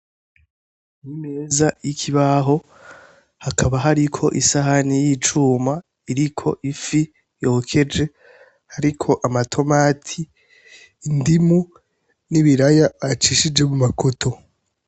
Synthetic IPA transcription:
nime̞ːzajikʰiβaɦo̞ | hakʰaβaɦaɾikʰo̞̰ʔisaɦanijit͡ʃuːma | iɾikʰo̞ʔifi | jokʰe̞d͡ʒe̞ | haɾikʰo̞ʔamatʰo̞maːtʰiː | ndimu | niβiɾajaːt͡ʃiʃid͡ʒe̞mumakotʰo

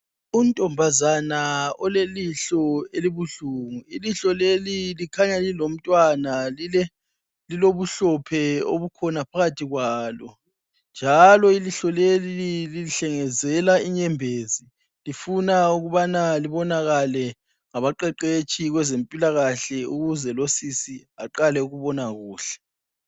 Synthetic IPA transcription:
untʼɔmbʱazanaɔleliɬɔeliβuɬuŋuiliɬɔlelilikʰaɲalilom̩tʼwanaliɛ | liloβuɬɔpʰɛo̰βukʰɔnapʰaɣatʰiɣwaːlɔ | nd͡ʒʱalɔiliɬɔleliililiɬɛŋɛzɛlaiɲɛmbʱezi | lifunauɣuβanaliβɔnaɣalɛ | ŋaβaǃɛǃet͡ʃʰiɣwɛzempʼilaɣaɬɛuɣuzɛlosisiaǃalɛuɣuβɔnaɣuːɬɛ̥

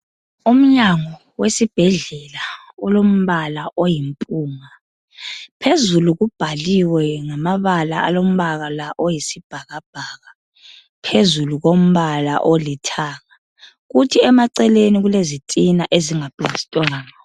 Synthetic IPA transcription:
um̩ɲaŋɔ | wesib̥ʱɛɮɛla | ɔlom̩βalaʔojim̩pʼuːŋa | pʰezuluɣub̥ʱaliwɛŋamaβalaa̰lom̩βaɣalaʔojisib̥ʱaɣab̥ʱaːɣa | pʰezuluɣom̩βala̰ʔolitʰaːŋa | ɣutʰiɛmaǀɛleniɣulezitʼinaʔeziŋapʼiizi̥tʼɔŋaŋa

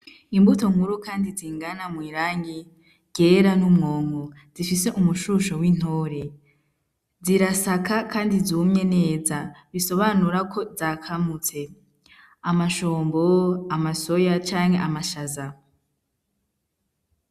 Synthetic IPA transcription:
imbuto̞ŋhuɾukaːndiziːŋɡanamwiːɾaːŋɡi | ɡ̥e̞ɾanumŋo̞ːŋo | z̥ifise̞ʔumuʃuʃowin̥hoːɾe̞ | ziɾasakʰakʰaːndizumɲe̞ne̞ːzaβiso̞βanuɾakʰo̞zakʰamut͡se̞ | amaʃoːmbo̞amaso̞jat͡ʃaːŋhe̞ʔamaʃaza

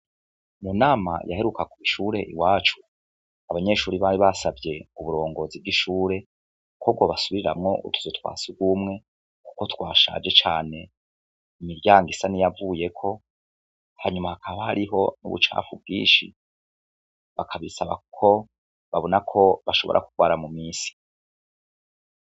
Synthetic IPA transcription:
munaːma̰ja̰he̞ɾukakumiʃuːɾe̞ʔḭwaːt͡ʃu̥ | aβaɲe̞ʃuːɾiβaɾiβasavje̞uβuɾo̞ːŋɡo̞zivɡiʃuːɾe̞ | kub̚ɡo̞βasuβiɾiɾa̰mŋo̞utʰu̥zotwa̰ːsiɡɡwumŋe̞ | ku̥ko̞twaːʃa̰d͡ʒe̞t͡ʃaːne̞ | imiɾjaːŋɡisanijavuje̞kʰo̞ | haɲumahakʰaβahaɾiɦo̞nṵβṵt͡ʃa̰ːfub̚ɡḭːnʃḭ | βakʰaβisaβa̰ku̥kʰo̞ | βaβo̞nakʰo̞βaʃo̞βo̞̰ɾa̰kuɡ̥waːɾamumiːsi̥

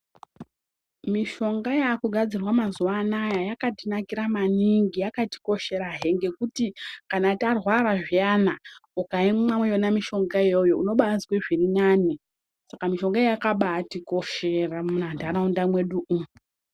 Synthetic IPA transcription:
miʃo̞ŋɡajakuɡʱad͡zirwamazuwanajajakatinakiɾamaniŋɡijakati̥ko̞ʃe̞ɾaɦeŋɡe̞kutikanatarwaɾaʐijanaukaimmamwejo̞namiʃo̞ŋɡajojo̞uno̞ɓaazkweʐirinaːni | sakamiʃo̞ŋɡaejakaɓatiko̞ʃeramunandʱanaundamwe̞ɗuʔu

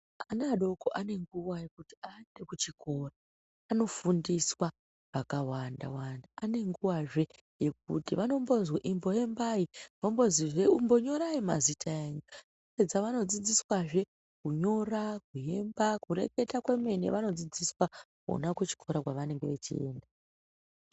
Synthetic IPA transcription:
anaɗo̞koʔane̞ŋɡuwaje̞kutiandekut͡ʃiko̞raː | no̞fundiswa | ʋakawanda̰wandaane̞ŋɡuwaʐe̞ | je̞k̚ṵtiʋano̞mbo̞zweʔimbo̞je̞mbaiʋambo̞ziʐeumbo̞ɲo̞ɾaima̰zitʰaeɲu | ed͡zaʋano̞d͡zid͡ziswaʐe̞ | kuɲo̞rak̚uje̞mbakure̞̰ke̞takwe̞me̞nḛʋano̞d͡zid͡ziswa | ko̰nakwet͡ʃi̥kʰo̞ɾakwaʋane̞ŋɡe̞ʋet͡ʃḭe̞̰ːnda

